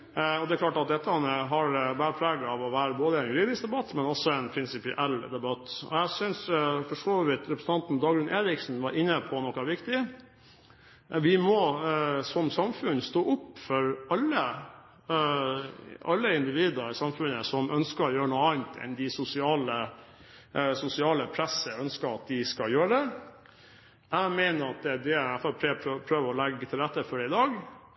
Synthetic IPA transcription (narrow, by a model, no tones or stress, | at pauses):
ɔd̪ɛklɑːʈɑt̪̚d̪ɛt̪ːəɑnəɦɑɾbæːɾəpʰlɑːɡɑʋɔʋæːɾəboːd̪əɛnɡɾiːd̪ɪsd̪ɛbɑt̪ːmɛnɔsɔɛnpʰɾɪnsɪpɪʔɛld̪ɛbɑt̪ːɔ̰ɛsʏnsfɔʂoːʋɪt̪ɾɛpɾsn̩ɑnt̪n̩d̪ɑːɡɾʉnʔeːɾɪksn̩ʋɑɾɪnːəpʰɔnɔkːɑʋɪkt̪ɪ | ʋɪmɔsɔmsɑmfʉnst̪oːʔʊpːfɔɾɑlːə | ɑlːəɪnd̪ɪʋiːd̪əɾsɑmfʉnəsɔmʔœnskəɾɔjøːɾənuːɑːnt̪ʰɛ̰nd̪ɪsʊsɪɑːlə | sʊsɪɑːləpʰɾɛsəœnskəɾɑt̪̚d̪ɪskɑjøːɾəd̪ɛ | æmɛɪnəɾɑt̪̚d̪ɛd̪ɛfɔpʰɾɛpʰɾøːʋəɾɔlɛɡːt̪ʰɪlɾɛt̪ːəfɔɖɛɪd̪ɑːɡ